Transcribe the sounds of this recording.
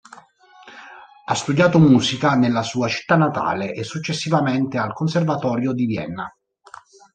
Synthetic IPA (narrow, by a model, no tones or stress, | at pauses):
ast̪ud̪jaːt̪omuːzikanelːasuːat͡ʃi̥t̪ːanːat̪a̰ːleʔesːut͡ʃːesːivament̪ealkonservat̪ɔːɾjod̪ivjɛ̰nːa